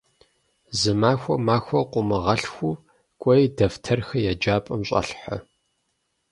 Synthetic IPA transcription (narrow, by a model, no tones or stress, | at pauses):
zɨmaːxʷɔmaːxʷɔqʷʼʊmɨʁɐɬxʷu | kʷʼɔjdɐftʰɐrxɐjad͡ʒaːpʼɐmɕʼɐ̰ɬħɐ̰